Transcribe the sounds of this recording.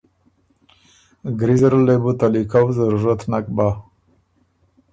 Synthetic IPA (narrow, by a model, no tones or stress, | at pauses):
ɡɾizɾlebut̪alikawzaɾuɾat̪nak̚ba